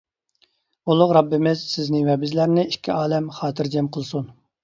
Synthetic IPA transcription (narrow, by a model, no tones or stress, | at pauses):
ulˠʊqɾɑbːɪmɪz̥sɪznɪŋvɛbɪzlæɾnɪiʃkʲʰːiɑːlɛmχɑːt̪ʰɪɾd͡ʒɛmqʰəlˠsun